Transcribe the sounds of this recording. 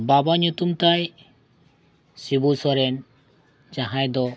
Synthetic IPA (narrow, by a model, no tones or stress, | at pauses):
babaɲut̪umt̪aj | sibusɔɾɛn | d͡ʒaɦãjd̪ɔ